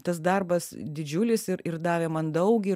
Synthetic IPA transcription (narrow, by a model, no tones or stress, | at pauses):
t̪ɐs̬d̪ɐrbɐsd̪ʲɪd͡ʒʲʊlʲɪsɪɾɪɾd̪ɑːʋʲeːmɐnd̪ɐʊkʲɪ